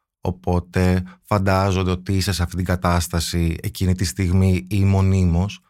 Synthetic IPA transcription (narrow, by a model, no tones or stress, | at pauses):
o̞̰po̞t̪e̞fɐnd̪ɐzo̞nd̪e̞ot̪iisesɐft̪it̪iŋɡɐt̪ɐst̪ɐsie̞̰cinit̪ist̪iɣmiimo̞nimo̞s